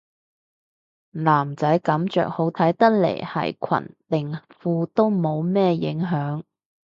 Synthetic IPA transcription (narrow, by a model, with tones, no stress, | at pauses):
laː˨˩mt͡sɐ˨˥jkɐ˨˥mt͡ʃœ̰ː˨k̚ho˨˥wt̪ʰɐ˨˥jt̪ɐ˥k̚lḛ˨˩jhɐ̰˨˩jkʰɐ̰˨˩nt̪ɪ˨˩ŋfuː˧t̪o˥wmo˨˧wmɛː˥jɪ̰˨˥ŋɦœː˨˥ŋ